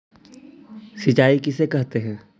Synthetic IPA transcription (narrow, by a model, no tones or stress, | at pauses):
sɪt͡ʃaːikɪsekɛɦt̪eɦɛ̃ː